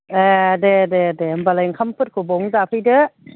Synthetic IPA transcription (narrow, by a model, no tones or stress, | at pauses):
edededembalajŋkʰampʰɯt̚kʰobɔŋzapʰɯjdɯ